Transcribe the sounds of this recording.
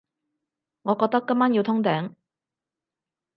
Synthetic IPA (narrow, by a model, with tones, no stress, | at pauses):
ŋɔ˨kɔ˧t̪͈ːa˥k͈ːɯ˥mːa˥njo˩t̪ʰɔ˥ŋt̪ɛ˨˦ŋ